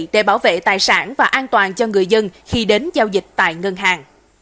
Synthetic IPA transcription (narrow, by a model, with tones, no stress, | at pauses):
ɗḛ˧˩ɓaː˧˩wvḛ˧˨t̪aː˨˩jsaː˧˩nvaː˨˩ʔaː˧nt̪waː˨˩nt͡ɕɔ˧ŋɨ˨˩əjzə˧nxi˧ɗe˨˦nzaː˧wzï˨˩k̟̚t̪a̰ː˧˨jŋə˧nɦaː˨˩ŋ